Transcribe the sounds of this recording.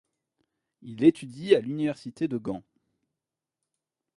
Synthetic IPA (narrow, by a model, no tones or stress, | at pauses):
ilet̪ʰyd̪ialynivɛʁsit̪ed̪əɡɑ̃